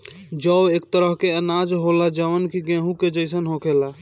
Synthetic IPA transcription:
d͡ʒəeːk̚t̪əɾəɦkeənaːd͡ʒɦolad͡ʒəʋənkiɡẽɦũked͡ʒəɪsənɦokʰeːla

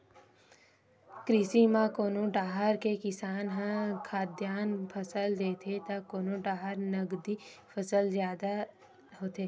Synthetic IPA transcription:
kɾɪsimãkoːnõɖaːɦəɾkekɪsaːnɦə̃kʰaːd̪jaːnpʰəsəld̪eːt̪ʰet̪akoːnõɖaːɦəɾnəɡd̪ipʰəsəlzjaːd̪a | ɦoːt̪eː

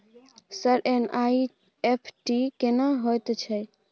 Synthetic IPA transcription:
səɾenai | epʰʈikenaɦojt̪t͡ʃʰɛ

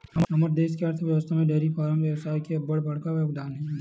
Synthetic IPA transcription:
ɦɐmɦɐməɾd̪eːskeəɾt̪ʰʋjɐʋəst̪ʰamẽɖeːɾifaːɾəmʋjɐʋsaːjkebɐɽbɐɽ̤kaʋjoːkd̪aːnɦɛ̃ɛ̃

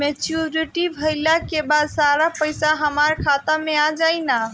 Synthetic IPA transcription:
met͡ʃuɾiʈibʱəlakebad̪saɾapəjsaɦəmaɾkʰat̪amead͡ʒajna

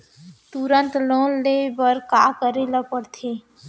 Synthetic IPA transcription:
t̪uɾənt̪lõlebəɾkakəɾeləpəɾt̪ʰi

